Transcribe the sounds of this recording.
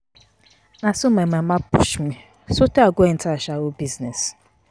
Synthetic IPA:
nasʊmemamapʊ̰ʃmi | soteaɡʷen̩taʃawʊbiznes

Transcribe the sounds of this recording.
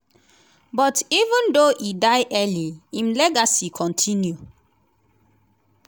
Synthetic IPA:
bɔtivũndoʔidaɪʔɛliĩmlɛɡasikʰɔ̃ntʰĩnju

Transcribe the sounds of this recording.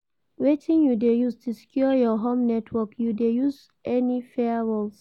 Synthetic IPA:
wetʰĩnjudejustʰuskʰjɔjɔɦõmnɛtʰwɔkjudejuz | ʔɛnifɛɹɔls

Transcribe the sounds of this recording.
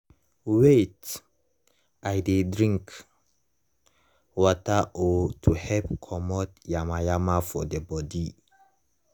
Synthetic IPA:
wet | ajdedɹĩŋk | wɔtaʔɔtʰuhɛp̚kʰɔmɔtjamajamafɔdebɔdi

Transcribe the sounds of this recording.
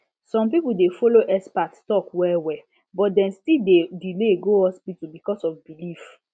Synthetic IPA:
sɔ̃mpipudefoloʔɛspatstɔkwɛwɛ | bɔtdɛ̃nstidedileɡoɔspitubikɔsɔfbilif

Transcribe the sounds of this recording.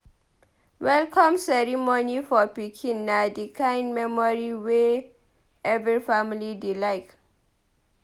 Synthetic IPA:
wɛlkʰɔ̃msɛɹimɔnifɔpikʰĩnːadikʰãɪ̃ndmɛmɔɹiwe | ʔɛvɹifamilidilaɪt

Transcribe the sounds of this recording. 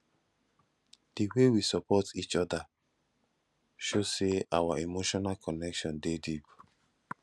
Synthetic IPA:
d̥iwewisɔpɔtit͡ʃɔda | ʃoseawaemoʃɔnalkɔnɛkʃɔ̃ndedip

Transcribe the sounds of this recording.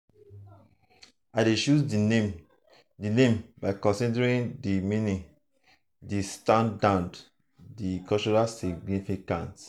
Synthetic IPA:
aɪdeʃuzdie | dinẽmbaɪkɔ̃nsidɹĩndiminĩ | distãndad | dikɔlt͡ʃɔɹalsiɡ̚nifikã̰nt

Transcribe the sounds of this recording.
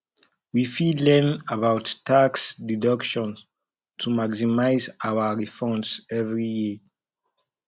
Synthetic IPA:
wifidlɛnabawtːaksdidʌkʃɔ̃n | tʰumaksimaɪzawəɹifɔ̃nsɛvɹiji

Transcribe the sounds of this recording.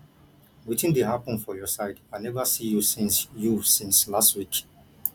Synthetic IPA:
witĩndeɦapɔ̃nfɔjɔsaɪdaɪnɛvasijusĩnsjusĩnslastwik

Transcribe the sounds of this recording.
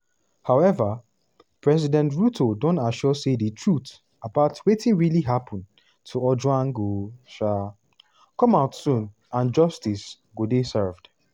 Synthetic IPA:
haʊɛvə | pʰɹɛsidɛ̃ntɹutʰodõntaʃɔsedətʰɹut | abaʊtwetĩnɹiliɦapʰɔ̃n | tʰuɔd͡ʒwãnɡoʃa | kɔ̃maʊtsũn | ãnd͡ʒʌstis | ɡodesɜvd̥

